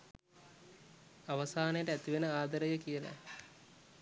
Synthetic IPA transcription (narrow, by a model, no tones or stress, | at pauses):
aʋɐsaːnəjəʈəæt̪iʋenəaːd̪əɾəjəkijəla̰